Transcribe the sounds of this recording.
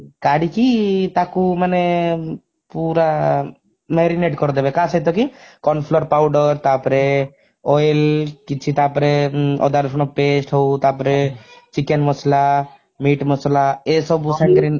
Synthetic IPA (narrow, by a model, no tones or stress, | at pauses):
kaɽikit̪akumane | puɾa | meɾineʈkɔɾd̪ebekasejt̪ɔkikɔnpʰlɔɾpawɖɔɾt̪apɔɾe | ɔjlkit͡ʃʰit̪apɔɾeɔ̰d̪aɾsɔnɔpesʈɦɔwt̪apɔɾet͡ʃikenmɔsla | miʈmɔslaesɔbusankɾi